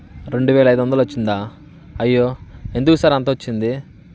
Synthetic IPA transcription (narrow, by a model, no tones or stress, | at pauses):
ɾe̞ɳɖuʋɛːlɐjd̪uʋɐnd̪ɐloʋɐt͡ʃːind̪aː | ɐjːoːe̞nd̪ukɐsaːɾiɐnt̪ɐːot͡ʃːind̪i